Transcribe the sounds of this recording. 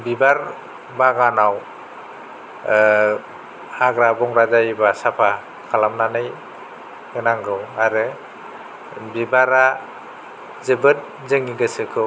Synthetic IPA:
bibaɾ | baɡanaw | aɡɾabɔŋɾazajbasapʰa | kʰalamnanɯj | ɯnaŋɡɯwaɾɯ | bibaɾa | zɯbɯt̚ | zɯŋiɡɯsɯkʰɯ

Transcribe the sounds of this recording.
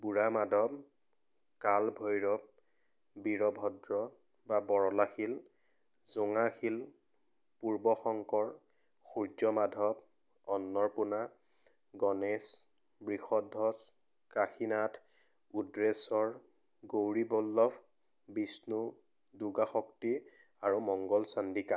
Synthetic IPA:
buɹamadʱɔb | kalbʱɔjɹɔb̚ | biɹɔbʱɔdɹɔ | babɔɹɔlaxil | zuŋaxil | puɹbɔxɔŋkɔɹ | xuɹd͡ʒɔmadʱɔb̚ | ɔnːɔɹpuna | ɡɔnes | bɹixɔdʱɔs | kaxinatʰ | udɹesɔɹ | ɡowɹibɔlːɔb | bisnu | duɡaxɔkti | aɹumɔŋɡɔlsandika

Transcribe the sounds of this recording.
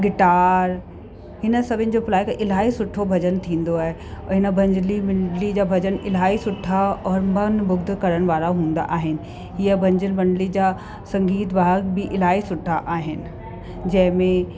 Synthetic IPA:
ɡɪʈaːɾ | ɦɪnə̆sɐbʱɪnɪ̆d͡ʑopʊlaːɪkɪl̤aːisʊʈʰobʱɐd͡ʑənt̪ʰĩːn̆d̪oaːɦe | ɦɪnə̆bʱɐ̃ɲd͡ʑəlimɪɳɖlid͡ʑaːbʱɐd͡ʑənɪl̤aːisʊʈʰːaɔːɾmɐnbʊɡd̪kɐɾəɽ̃ʋaːɾaɦũːn̆d̪a̰ʔaːɦɪnɪ̆ | ɦiəbʱɐ̃ɲd͡ʑəlbɐ̃ɳɖlid͡ʑaː | sɐ̃ŋɡiːt̪bʱaːɦəkbɪʔɪlaːisʊʈʰːaʔaːɦɪnɪ̆ | d͡ʑɐ̃ɦɪ̃mẽ

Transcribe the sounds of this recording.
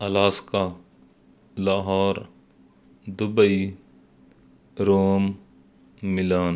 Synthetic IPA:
ɐlaːska | laːɦaːɾ | d̪ʊbəi | ɾoːmː | ɪlaːn

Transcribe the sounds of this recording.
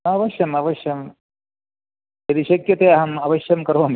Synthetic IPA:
ɐʋɐʃjɐmɐʋɐʃjɐm | jɐd̪iʃɐkjɐt̪eːɐɦɐmɐʋɐʃjɐmkɐɾʋɐm

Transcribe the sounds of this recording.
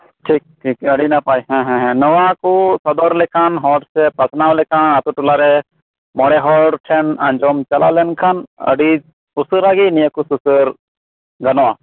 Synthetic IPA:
ʈʰiːk̚ʈʰiːkɐɽinapaːiɦɛ̃ɦɛ̃ɦɛ̃nɔʋakusɐd̪ɔɾlekʰanɦɔɖsepɐsnaːwlekʰãnɐt̪uʈulaɾe | mɔɽeɦɔːɖʈʰenɐ̃nd͡ʒomt͡ʃɐla̰lenkʰanɐ̰ɽi | usuɾaɡinijəkususəɾ | ɡɐnoa

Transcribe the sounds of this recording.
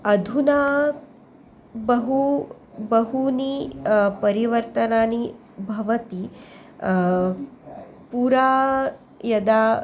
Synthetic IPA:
ɐd̪ʱuna | bɐɦu | bɐɦunipɐɾiʋɐɾt̪ɐnaːni | bʱɐʋɐt̪i | puːɾaː | jɐd̪aː

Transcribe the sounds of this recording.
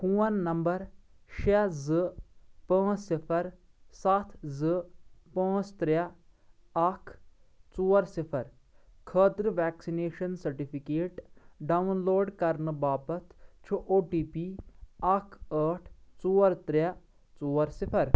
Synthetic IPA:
kuːɐnːɐmbɐɾ | ʃezɨpə̃ːt͡ʃsipʰɐɾ | sɐt̪ʰzɨpə̃ːt͡ʃt̪ɾa | ɐkʰt͡suːɐɾsipʰɐɾ | kʰəːt̪ɾʋɛːksineːʃɐnsɐɾʈipʰikeːʈɖɐunloːɖkɐɾnɨbaːpɐt̪ʰt͡ʃʰuʔoːʈiːpiɐkʰəːʈʰt͡suːɾt̪ɾa | t͡suːɐɾsipʰɐɾ

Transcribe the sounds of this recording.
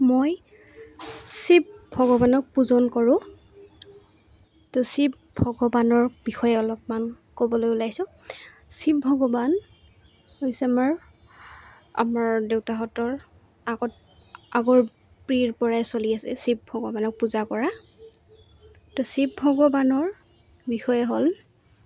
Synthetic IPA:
moj | sip̚bʱɔɡɔbanɔk̚puzɔnkɔɹʊ̃ | tɔsip̚ | bʱɔɡɔbanɔɹbixɔjɛɔlɔpman | kobɔlojʊlajsʊ̃ | sip̚bʱɔɡɔban | ɦojsɛamaɹ | a̰maɹdewtaɦɔtɔɹ | aɡɔt | aɡɔɹ | pɹiɹpɔɹaɛsoliasɛsip̚bʱɔɡɔbanɔk̚puzakɔɹa | tɔsip̚bʱɔɡɔbanɔɹ | bixɔjɛɦol

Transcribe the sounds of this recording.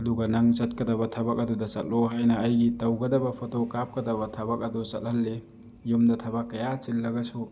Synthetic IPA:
ɐduɡɐnaŋt͡ʃɐt̚kɐdɐbɐtʰɐbɐk̚ɐdudɐsɐt̚lɔɦajnɐːjɡitɐwɡɐdɐbɐpʰɔtowkap̚kɐdɐbɐtʰɐbɐk̚ɐdut͡ʃɐt̚hɐlːe | jumdɐtʰɐbakːɐjat͡ʃilːɐɡɐsu

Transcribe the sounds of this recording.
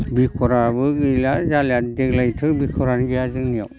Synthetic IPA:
bikʰɔɾabɯɡɯjlazaljatdeɡlajtʰɯbikʰɔɾanɡejazɯŋjɔ̰w

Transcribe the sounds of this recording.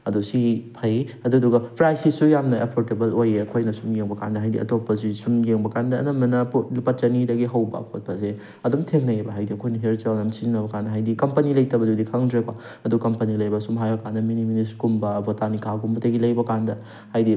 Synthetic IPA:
ɐdusipʰɐjɐduduɡɐpʰɾajsisujamnɐepʰoɾtebɐlojeɐkʰojnɐsumjeŋbɐka̰ndɐɦajdḭʔɐ̰topːɐsusumjeŋbɐkandɐ̰ːnɐmɐnɐpɐt̚t͡ʃɐnidɐɡiɦɐwbɐ̰ɐ̰pʰot̚pɐze | ɐdumtʰeŋnɐjebɐɦajdiɐkʰojnɐɦeɾt͡ʃalnamsizinɐbɐkandɐɦajdikɐmpɐnilɐjtɐbɐdudikʰaŋdɾekwa | ɐdukɐmpɐnilɐjbɐsumɦajbɐkandɐminiminiskumbɐbotanikʰaɡumbɐtɐɡilɐjbɐkandɐ | hajdi

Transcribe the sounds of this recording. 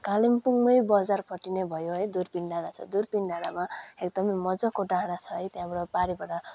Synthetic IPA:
kalimpuŋmʌjbʌd͡zarpʰʌʈːinebʱʌjoɦʌjd̪urpiɳɖanat͡sʰʌ̰d̪urpiɳɖanamaekd̪ʌmʌmʌd͡zʌkoɖaɦɽat͡sʰʌɦʌjt̪jãmɾʌpaɾibaʈʌ

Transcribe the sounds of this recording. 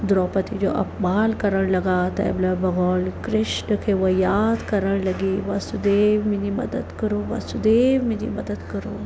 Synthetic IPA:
d̪ɾɔːpət̪ʰid͡ʒoʔɐ̰pbaːlkɐɾəɽ̃lɐɡaːt̪ɐ̰ɛ̰blɐbɐɡɔːlkɾɪʃɳəkʰeʋɐjaːd̪kɐɾəɽ̃lɐɡiʋasud̪eːʋmĩd͡ʑimɐ̰d̪əd̪kɐɾoːʋa̰sud̪eːʋmĩd͡ʒḭmɐd̪əd̪kɐɾoː

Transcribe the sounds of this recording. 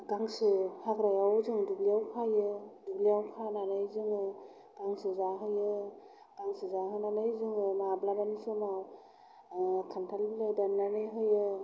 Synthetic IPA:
ɡaŋsɯhaɡɾajawzɯŋduɡlijawpʰajɯduɡlijawkʰananɯjzɯŋɯ | ɡ̥aŋsɯzaɦɯjɯ | ɡaŋsɯzaɦɯnanɯjzɯŋɯnablabanisɯma | kʰantʰalblɯdanːanɯɦɯjɯ

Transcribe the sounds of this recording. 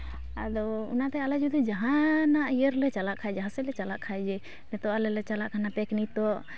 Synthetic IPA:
a̰d̪ɔṵnat̪ɛalad͡ʒud̪ud͡ʒaɦãnaʔijəɾlɛt͡ʃalaʔkʰajd͡ʒaɦãsɛlɛt͡ʃalaʔkʰajd͡ʒɛ | mɛt̪ɔʔalɛlɛt͡ʃalaʔkʰanapɛknit̪ɔʔ

